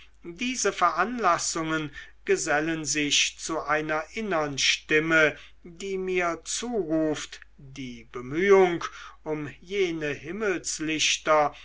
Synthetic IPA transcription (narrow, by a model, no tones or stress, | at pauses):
diːzəfɛɐʔanlasʊŋənɡ̥əzɛlənzɪçt͡suʔaɪnɐʔɪnəʁənʃtɪmə | diːmiːɐt͡suːʁuːft | d̥iːbəmyːʊŋkʔʊmjeːnəhɪml̩slɪɕtɐ